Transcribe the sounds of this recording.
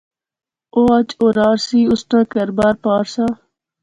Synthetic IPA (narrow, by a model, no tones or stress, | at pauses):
oːɐt͡ʃoːɾaːɾsiːʊsʈ̪ãːkəɾbaːɾpaːɾsaː